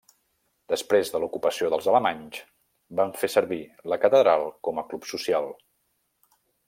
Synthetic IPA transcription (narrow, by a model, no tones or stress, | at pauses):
d̪əspɾezðəlukupəsioðəlˠzələmaɲz | baɱfesəɾβiləkət̪əðɾalˠkɔməklupsusijalˠ